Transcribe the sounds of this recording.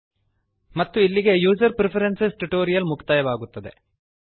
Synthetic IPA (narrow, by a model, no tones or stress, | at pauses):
mɐt̪ːuilːiɡe̞juːd͡ʒɐɾpɾipʰɐɾensesʈuʈoːɾijɐlmukʰt̪ɐjɐʋaːɡut̪ːɐd̪ḛ